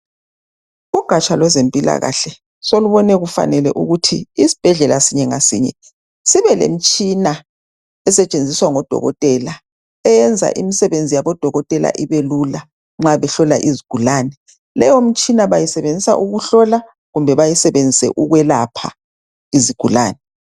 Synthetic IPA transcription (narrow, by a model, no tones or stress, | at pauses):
uɡ̥ʱat͡ʃʼalwɛzempʼila̰ɣa̰ɬɛ | soluβɔnɛɣufa̰nɛlɛ̰ʔṵɣutʰiːsi̥b̥ʱɛɮɛlasiɲɛŋasḭːɲɛ̰ | siβɛlḛm̩t͡ʃʼina | ɛsɛt͡ʃʼend͡zʱiswaŋɔd̥ʱɔ̰ɣɔ̰tʼɛla | ɛjɛnd͡zʱa̰ʔimisɛβend͡zʱijaβɔd̥ʱɔɣɔtʼɛla̰ʔiβelula | ŋ͡ǁaβɛɬɔlaʔiziɡ̥ʱulaːnɛ | lɛjom̩t͡ʃʼinaβajisɛβend͡zʱisa̰ʔuɣuɬɔla | ɣumbʱɛβajisɛβend͡zʱisɛ̰ʔuɣwɛlapʰa | iziɡ̥ʱula̰ːnɛ